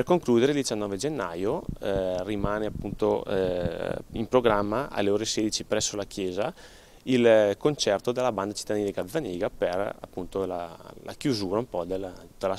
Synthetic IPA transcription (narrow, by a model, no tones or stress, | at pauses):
perkoŋkluːd̪eɾeild̪it͡ʃanːɔːved͡ʒenːajo | rimaːneapːunt̪o | impɾoɡɾamːaʔa̰lːeoːɾesed̪it͡ʃipɾɛsːolakjɛːza | ilkont͡ʃɛrt̪od̪elːaband̪at͡ʃi̥t̪ːad̪iːneɡavaniːɡapera̰pːunt̪ola̰la̰kjuzuːɾaumpɔd̪elut̪ːala